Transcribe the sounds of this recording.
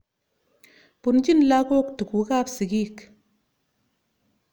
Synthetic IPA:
pu˨nd͡ʒi˦nla˦ko˦k̚tu˨ku˨˦ka˦psi˨ɡi˦˨k

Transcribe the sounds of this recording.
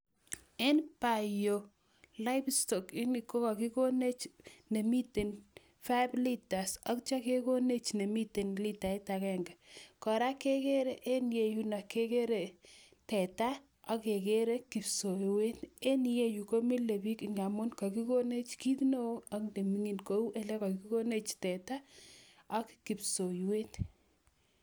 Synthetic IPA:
e˦npa˨jo˨ | la˦ɪbstɔ˨kɪ˦ni˨ko˦ka˨ki˦ko˦ne˦t͡ʃne˨mi˦te˨n | fa˦bli˦ta˨sɔ˦k̚t͡ʃa˦ke˦ko˦ne˦t͡ʃne˨mi˦te˨nli˦ta˨i˦ta˨kɛ˦ŋɡa˨kɔ˨ɾa˦ke˦ke˦ɾe˦ʔe˦nje˨ju˦na˨ke˦ke˦ɾe˨ | tɛ˨ta˦ | ɔ˦ke˨ke˦ɾe˦ki˨pso˨jwe˦te˦nje˦ju˨ko˦mi˦le˨bi˦kiŋɡa˨mo˦nkɔ˨ki˦ko˦ne˦t͡ʃki˦tno˦a˦knde˨mi˦ŋi˨nko˦u˦ʔe˨lɛ˦ka˨ki˦ko˦ne˦t͡ʃtɛ˨ta˦ | ɔ˦kki˨pso˨jwe˦t

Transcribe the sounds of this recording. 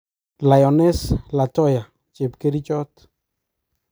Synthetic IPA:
la˨jɔ˨nɛ˦sla˨tɔ˦ja˨ | t͡ʃe˨pke˦ɾi˦t͡ʃɔ˦t

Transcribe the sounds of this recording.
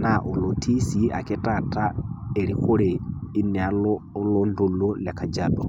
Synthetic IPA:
na˨ʔo˨lo˨tʰi˦si˦a̰˨kɪ˦tʼa˦˨ta˦e˨ɾi˦xʊ˦ɾɪ˨i˦nɛ˨a˨lo˦lo˦ndo˦lo˦la˨kʰa˨d͡ʒa˨dɔ˨

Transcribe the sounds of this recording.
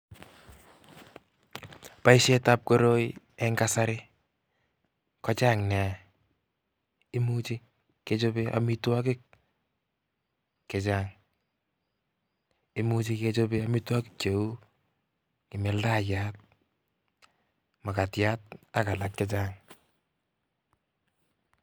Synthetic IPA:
pa˦i˦ʃe˦ta˦p̚ko˦ɾo˦j | ɛŋkasa˦ɾɪ˦ | kɔ˦t͡ʃa˦ŋnɛ˨ | ɪ˦mut͡ʃi˦ | ket͡ʃo˦beʔa̰˨mitwa˦kɪ˦k̚ | kːɛt͡ʃaːŋ | ɪ˦mu˦t͡ʃi˦ket͡ʃobeamɪ˦twa˦kɪk̚t͡ʃe˨u˦ | kɪ˨mɪ˨˦lda˦jat̚ | ma˨ka˨tjat̚aka˨lakkːɛ˦t͡ʃaːŋ

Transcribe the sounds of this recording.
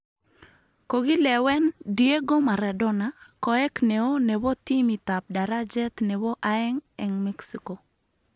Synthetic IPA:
ko˨ɡi˦lɛ˨wɛ˦ndie˦ɡo˦ma˨ɾa˨dɔ˦nakɔ˨ɛ˦knɛ˨o˦nɛ˨wɔ˦t̪i˦mi˨t̪a˨p̚da˨ɾad͡ʒɛ˦t̪nɛ˨wɔ˦ʔaɛ˦ŋɛ˨ŋmɛ˦ksi˦ko˨

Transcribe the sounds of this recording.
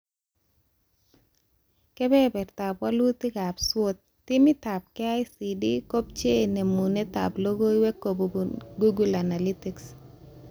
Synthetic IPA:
kɛ˦bɛ˦bɛ˨rt̪a˨pwa˦lu˦t̪ɪ˦ɡa˨bswo˦t̪̚ːɪ˦mɪ˦t̪a˨b̚kɛ˦ajsidi˦ko˦p̚t͡ʃe˦e˨ne˨mu˨ne˦t̪a̰˨blo˦ɡo˦i˦wɛ˦ko˨bɡu˦ɡu˦la˨na˨li˦tiks

